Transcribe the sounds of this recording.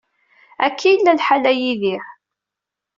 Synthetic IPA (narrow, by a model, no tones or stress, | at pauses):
ækːijlːælħalæjiðiħ